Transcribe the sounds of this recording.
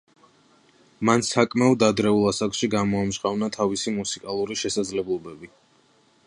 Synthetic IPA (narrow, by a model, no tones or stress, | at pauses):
mansakʼmɛɔd̪ad̪ɾɛulˠasakʃiɡamɔamʒqʼavnat̪ʰavisimusikʼalˠuɾiʃɛsad̪zlɛblˠɔbɛbi